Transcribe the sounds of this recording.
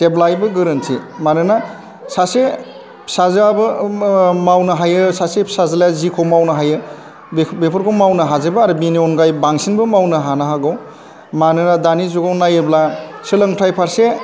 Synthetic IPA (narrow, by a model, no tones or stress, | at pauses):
teblajbɯɡɯɾɯntʰimanɯna | sase | pʰsazabɯ | mawnɯɦajɯsasepʰsazaljazikʰowmawnɯɦajɯ | bepʰɯɾkʰɔwmawnɯɦazebɯaɾɯbiniɔnɡajbaŋsinbɯmawnɯɦanaɦaɡɯw | manɯnadanizuɡawnajeblasɯlɯŋtʰajpʰaɾse